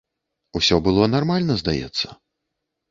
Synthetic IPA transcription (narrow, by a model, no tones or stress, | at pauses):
usʲɔbɨlˠɔnarmalʲnɐzd̪ajɛ̰t̪sːɐ̥